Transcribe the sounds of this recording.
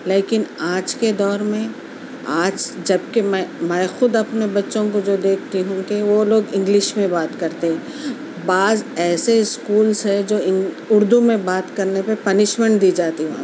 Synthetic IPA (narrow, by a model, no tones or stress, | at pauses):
leːkɪnaːd͡ʒked̪ɔːɾmẽ | aːd͡ʒd͡ʒɐb̚kemɛ̃mɛ̃ːxʊd̪ɐpnebɐtːʃõkod͡ʒoːd̪eːkʰt̪iɦũkeʋoloːɡɪ̃ŋɡlɪʃmẽbaːt̪kɐɾt̪eɦɛ̃ | baːzɛːseskuːlzɦɛd͡ʒoːɪ̃ | ʊɾd̪umẽbaːt̪kɐɾnepepɐnɪʃmɛ̃ɳʈd̪iːd͡ʒaːt̪iʋã̰